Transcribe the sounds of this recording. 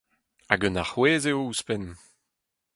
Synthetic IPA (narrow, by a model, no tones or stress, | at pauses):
aɡənaχweːzeouspɛn